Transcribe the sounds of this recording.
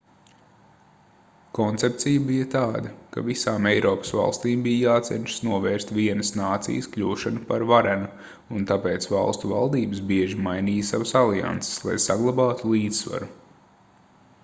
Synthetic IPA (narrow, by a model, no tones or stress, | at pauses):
kɔnt̪sep̚t̪sijəbijət̪aːd̪ɐka̰visaːmɛjɾɔːpə̥sva̰lˠst̪iːmbijjaːt̪sɛ̰nʲʃə̥snuɔvɛːɾst̪viɛnəsnaːt̪sḭjəskʎʲuːʃanupaɾvaɾɛnu | unt̪apeːt̪sva̰lˠst̪uvalˠd̪iːbəsbiɛʒimajniːjsaʋɐsalˠia̰nt̪se̥slˠa̰jsaɡlˠabɑːt̪ulˠiːd̪ssva̰ɾu